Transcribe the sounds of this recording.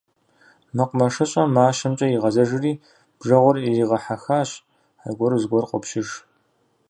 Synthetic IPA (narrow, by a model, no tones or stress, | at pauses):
mɨqʷʊmɐʂɐɕʼɐmaːʃɐmt͡ʃʼɐjiʁɐzɐʒɪriː | b̥ʒɐʁʷʊririːʁɐħaxaːɕ | a̰ɡʷɔɾɨzɡʷɔrqʷʊ̰pɕɪʒ